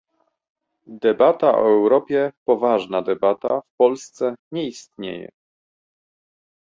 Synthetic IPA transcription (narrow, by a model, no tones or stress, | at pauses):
d̪ɛbat̪aʔɔ̰ɛwɾɔpʲjɛpɔvaʐnad̪ɛbat̪a̰fpɔlst̪sɛɲɛist̪̚ɲḛjɛ̰